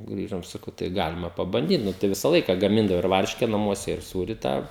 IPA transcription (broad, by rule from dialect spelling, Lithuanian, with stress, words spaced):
ˈɡrʲiːʒoːm sɐˈkɐʊ tɐɪ ˈɡɑːlʲɪmɐ pɐbɐnʲˈdʲiːt ˈnʊ tɐɪ ˈʋʲɪsɐ ˈlˠɐɪkɐ ɡɐˈmʲɪndɐʋoː ɪr ˈʋɐrʲʃʲkʲɛ nɐˈmuɔsʲɛ ɪr ˈsuːrʲɪ ˈtɑː